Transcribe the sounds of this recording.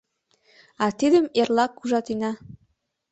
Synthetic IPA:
ɑt̪id̪əmerlɑkːuʒɑt̪inɑ

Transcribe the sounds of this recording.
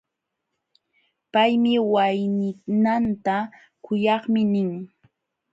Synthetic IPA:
pajmɪwajnɪnant̪a | kʊjɑχmɪnɪŋ

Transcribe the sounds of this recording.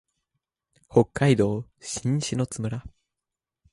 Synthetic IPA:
ho̞kːaid̪o̞ː | ɕĩɰ̃ɕino̞t͡sɨmɯ̟ɾa

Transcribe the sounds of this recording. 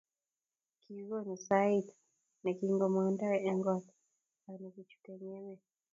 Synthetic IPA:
kiɣɔnisait | nakiŋɡɔmandaɾɛɛŋɡɔt | anakut͡ʃu̥kɛɲɛmɛ

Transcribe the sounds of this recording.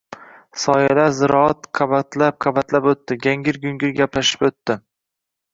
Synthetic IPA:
sɒjalazɪɾɒat̪qʰɑbat̪ʰlap̚qʰɑbat̪lapot̪ːɪɡʲaŋɡʲɪɾɡʲʊŋɡʲɪɾɡʲaplaʃɪ̥pot̪ːɪ

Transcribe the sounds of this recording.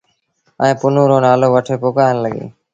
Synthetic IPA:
ə̃ːpʊnõːɾoːnaːloːʋəʈʰeːpoːkaːjnləɠḛː

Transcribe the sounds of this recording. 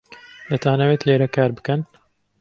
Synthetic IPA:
d̪ɐt̪ʰaːnɐweːt̪leːɾɐkaːɾbɨ̥kɛn

